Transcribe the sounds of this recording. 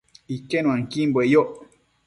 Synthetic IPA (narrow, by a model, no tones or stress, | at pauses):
ikenw̃ãŋ̩kimbwejoʔ